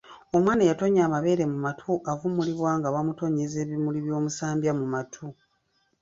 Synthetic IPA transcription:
o̞mwaːnajatoɲaːmaβe̞ːɾe̞mumatʰuʔavumuliβwaːŋɡaβamuto̞ɲeze̞ːβimuliβjo̞ːmusaːmbjamumatʰu

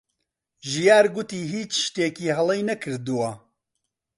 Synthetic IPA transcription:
ʒijaːɾɡʊt̪iːɦiːt͡ʃʃt̪eːkiːɦɐlˠejnɐkʰɨɾd̪uwa

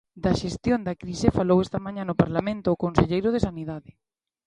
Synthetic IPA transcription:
d̪ɐʃest̪jond̪ɐkɾisefalowɛst̪ɐmãɲanʊpaɾlamẽnt̪ʊːkonseʎejɾʊð̞esaniðaðɪ

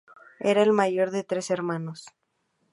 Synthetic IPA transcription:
e̞ɾaelmaʝo̞ɾðe̞t̪ɾe̞se̞ɾmãnos

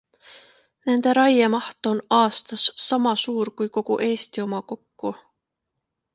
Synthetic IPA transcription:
ne̞nd̪̥e̞ɾɑjemɑht̪o̞nɑːst̪ɑsːɑmɑsuːɾkujko̞ɡ̥ṵʔe̞ːst̪io̞mɑko̞kːu

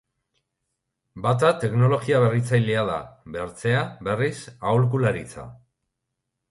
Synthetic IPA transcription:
bat̪at̪e̞kno̞lo̞ɣiaβe̞rit͡sajliaða̰βe̞ɾt͡se̞aβe̞risawlkulaɾit͡sa̰

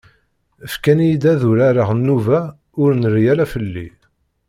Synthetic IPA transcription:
əfkænjid̪æðuɾaɾəʁənːuvæ | ʊɾnərjælæfəlːi

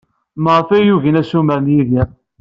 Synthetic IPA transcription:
məʁəfæjuʝənæsumæɾnjiði

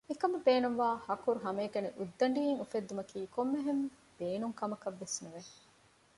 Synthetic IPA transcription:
ikɐmɐbeːnuŋʋaːhɐkuɾuɦɐmeːɡɐniʔud̪ːɐɳɖiːeŋufed̪ːumɐkiːkomːeɦem | b̥eːnuŋkɐmɐkɐʋːesnuʋe

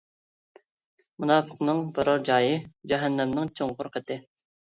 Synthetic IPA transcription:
munɑːpʰəqnɨŋbɑɾoɾd͡ʒɑːjɨd͡ʒɛɦɛnːɛmnɪŋt͡ʃʰoŋʁʊɾqʰət̪ʰɪ

